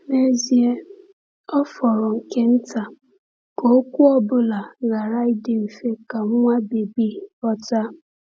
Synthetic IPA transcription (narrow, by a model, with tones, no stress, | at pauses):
ne˦zi˦e˦ | ɔ˦fɔ˨ɾɔ˨ŋ̩˨ke˦n̩˦ta˨ | ko˨˦kʷu˦ɔ˦bʊ˦la˨ɣa˨ɾa˦ɪ˦dɪ˨m̩˨fe˦ka˨ŋ̩˦ŋʷa˦be˨bi˦ɔ˦ta˦